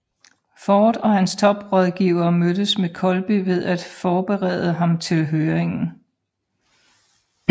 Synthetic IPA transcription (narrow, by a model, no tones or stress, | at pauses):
fɒːd̥ɒ̽hænst͡sʰɒ̽b̥ʁɒð̞ˠɡ̥ḭːʊɐːmødəsmekʰɒ̽lb̥iʋe̝ðˠæd̥fɒːb̥eʁɛð̞ˠəɦɑ̈mt͡sʰe̝lɦøːɐeŋn̩